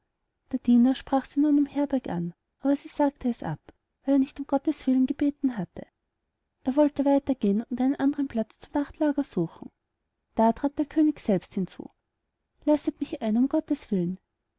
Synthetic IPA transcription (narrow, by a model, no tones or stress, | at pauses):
d̥eːɐd̥iːnɐʃpʁ̥aːχsiːnuːnɪmhɛɐbɛɐkʔa̰n | ʔaːbɐziːz̥aːk̚tʰəɛsʔa̰p | vaɪleɐnɪçtʊmɡ̥ɔtəsv̥ɪlənɡəbeːtn̩ɦatʰə | ʔeːɐvɔltəvaɪtɐɡ̥eːənʊntʔaɪnənʔandəʁənpl̥at͡st͡sʊmnaχtlaːɡɐzuːxn̩ | d̥aːtʁ̥aːt̚d̥eːɐkʰøːnɪçsɛlpsthɪnt͡sṵː | lasətmɪçaɪnʊmɡ̥ɔtəsv̥ɪlən